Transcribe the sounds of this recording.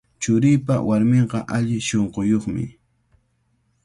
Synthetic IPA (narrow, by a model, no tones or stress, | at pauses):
t͡ʃʊɾɪjpa̰waɾmeɴqɑʔaʎɪʃoɴqojoχmɪ̰